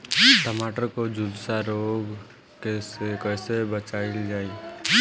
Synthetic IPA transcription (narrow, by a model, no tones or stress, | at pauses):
t̪əmaʈəɾkod͡ʒulsaɾoɡ | kesekəɪsebət͡ʃaɪld͡ʒaːi